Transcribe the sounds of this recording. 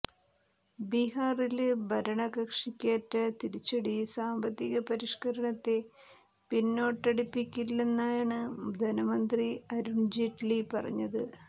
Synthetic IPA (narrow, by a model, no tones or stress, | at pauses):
biɦaːrilbʱɐɾɐɳɐɣɐkʂikʲːaːtːɐt̪iɾit͡ɕːɐɽisaːmbɐt̪ːiɣɐpɐɾiʂkɐɾɐɳɐt̪ːe̞ | pinːo̞ːʈːɐɽipːikʲːilːenːaːjaːɳɨd̪ʱɐnɐmɐnd̪riɐɾuɳd͡ʑeʈlipɐrɐ̰ɲːɐðɨ